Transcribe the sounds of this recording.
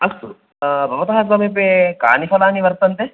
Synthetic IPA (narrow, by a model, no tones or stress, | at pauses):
ɐst̪u | bʱɐʋɐt̪ɐɦasɐbep̬eka̰ːnifʰɐlaːniʋɐɾt̪ɐnt̪e